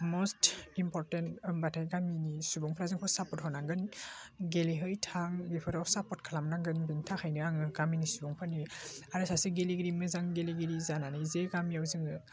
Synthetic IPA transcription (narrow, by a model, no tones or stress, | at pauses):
mostimpʰɔɾtentbatʰajɡaminisubɔŋpʰɾazɯŋkʰɔsapɔt̚hɔnaŋɡɯnɡeliɦɯjtʰaŋɡipʰɯɾawsapɔt̚kʰalamnaŋɡɯnbintʰaxʰajnɯaŋɯɡaminisubɔŋpʰaniaɾɯsaseɡeliɡiɾimɯzaŋɡeliɡeɾizananɯjzeɡamiawzɯŋɯ